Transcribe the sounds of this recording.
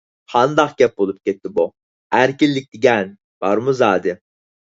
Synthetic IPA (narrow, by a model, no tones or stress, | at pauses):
hand̪aχɟ̥ʲɛp̚bolˠup̚cʲet̪ʰːibu | æɾcilʲːic̚d̪iɟʲæn | b̥aɾmuzaːd̪i